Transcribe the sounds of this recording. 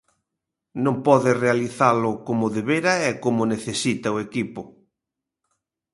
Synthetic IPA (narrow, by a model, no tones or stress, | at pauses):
nõmpɔðɪrealiθalʊkomʊðeβeɾɐɛkomʊneθesit̪ɐʊekipʊ